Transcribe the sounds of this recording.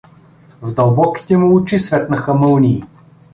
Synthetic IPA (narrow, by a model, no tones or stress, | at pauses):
vd̪ɐlˠbɔki̥t̪ɛmuut͡ʃisvɛt̪nɐxəmɤlˠniː